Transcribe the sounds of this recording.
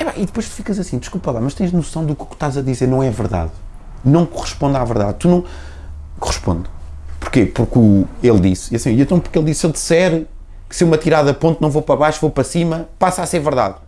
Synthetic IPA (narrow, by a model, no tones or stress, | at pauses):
ɛpa̰ʔiðɨpojʃt̪u̥fikɐzɐsĩd̪ɨʃkulˠpɐlˠamɐʃt̪ɐ̃j̃ʒnusɐ̃w̃d̪uku̥kʃt̪azɐðizeɾnɐ̃w̃ɛvɨɾða̰ð | nɐ̃w̃kuʁɨʃpõnd̪avɨɾða̰ðt̪unɐ̃w̃ | kuʁɨʃpõ̰nd̪puɾkepuɾkuelˠd̪isiɐsĩiẽt̪ɐ̃w̃puɾkelˠd̪isːelˠd̪isɛɾ | kɨ̥seumɐt̪iɾaðɐpõnt̪nɐ̃w̃vopɾɐβajʃuvopɾɐsimɐpasaseɾvɨɾða̰ð